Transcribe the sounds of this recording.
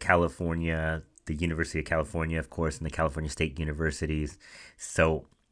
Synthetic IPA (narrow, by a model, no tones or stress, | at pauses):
kʰælˠəfɔɹnjɨ | ðɨjʉñɨvɜ˞sɨɾiʌv̥kʰælˠəfɔɹnjɨʌv̥kʰɔɹsn̩ðɨkʰælˠəfɔɹnjɨsteɪt̚jʉñɨvɜ˞sɨɾiz̥soʊ